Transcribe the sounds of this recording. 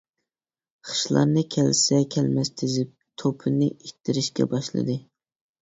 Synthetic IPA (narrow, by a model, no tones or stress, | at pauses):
χə̥ʃlˠɑ̰ɾnɨkʲʰɛlsɛkʲʰɛlmɛst̪ʰɪzɪp̚t̪ʰopʰɨnɨit̪ʰːɪɾɪʃkʲɛ̰bɑʃlˠɨ̰d̪ɨ